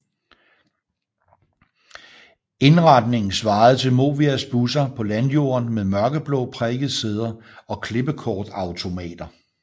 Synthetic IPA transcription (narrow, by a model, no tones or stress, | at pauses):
e̝nʁɑ̈d̥ne̝ŋn̩sʋɑ̈ːð̞̩ˠt͡sʰe̝lmo̝̰ːʋiæsb̥usɐpʰɒ̽lænjo̝̰ːɐnmeðˠmɶɐɡ̥əb̥lɔ̰̽ːpʰʁɛɡ̥ð̩ˠseð̞ˠɐ | ɒ̽kʰle̝b̥əkʰɒːd̥ɑ̈ʊt͡sʰo̝mɛ̰ːd̥ɐ